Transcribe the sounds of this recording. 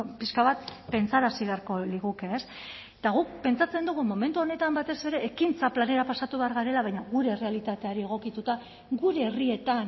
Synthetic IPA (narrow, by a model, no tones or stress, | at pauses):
piskaβat̪pe̞nt͡saɾasiβe̞aɾko̞liɣukeːs | t̪aɣuk̚pe̞nt͡sat͡se̞nd̪uɣ̞umo̞me̞nt̪uo̞ne̞t̪ambat̪e̞se̞ɾe̞ːkint͡saplane̞ɾapasat̪uβe̞aɾɣaɾe̞laβajɲaɣuɾe̞re̞alit̪at̪e̞aɾie̞ɣ̞o̞kit̪ut̪a | ɣuɾe̞ːrie̞t̪an